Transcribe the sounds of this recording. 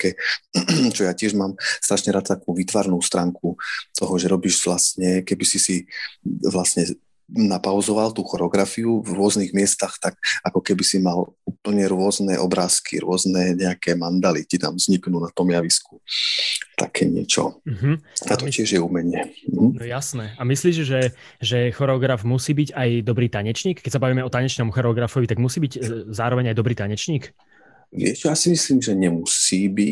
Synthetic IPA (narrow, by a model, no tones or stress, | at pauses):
akɛː | t͡ʃɔjaːcɪɛʒmaːmst̪ɾaʃɲɛɾaːt̪̚t̪akuːʋiːt̪ʋaɾnuːst̪ɾaːŋkut̪ʰɔɦɔʒɛɾɔbiːʒʋlasɲɛkɛbisisi | ʋlasɲɛ | napaʊzɔʋalt̪uːxɔɾɛɔɡɾafiuvɾʊɔzniɣmɪɛst̪axt̪akʔakɔkɛbisimaluːpl̩ɲɛɾʊɔznɛʔɔbɾaːskʰḭɾʊɔznɛɲɛakʰɛːmand̪alit̪it̪a̰mz̥ɲiknuːnat̪ɔmjaʋisku̥ | t̪a̰kʰɛːɲɪɛ̰t͡ʃɔ̰ɦm̩at̪ɔcɪɛʒjɛumɛɲɪɛm̩ɦm̩ɔɛjasnɛːamisliːʃʒɛʒɛxɔɾɛɔɡɾavmusiːbiɟajd̪ɔbɾiːt̪aɲɛt͡ʃɲiːkkɛcsabaʋiːmɛɔt̪aɲɛt͡ʃnɔmuxɔɾɛɔɡɾafɔʋit̪aɡmusiːbiɟzaːɾɔʋɛɲajd̪ɔbɾiːt̪aɲɛt͡ʃɲiːk | ʋɪɛt͡ʃjaːsimisliːmʒɛɲɛmusiːbi